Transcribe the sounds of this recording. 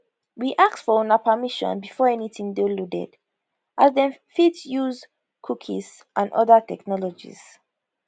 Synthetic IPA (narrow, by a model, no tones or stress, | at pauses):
wiʔak̚sfɔõnapʰəmiʃɔ̰̃nbifɔɛnitĩŋdoludɛ̰d | ʔazðɛ̃nfitsjuz | kʰukʰḭz | ʔãnɔ̰ðətʰɛknɔlɔd͡ʒḭz̥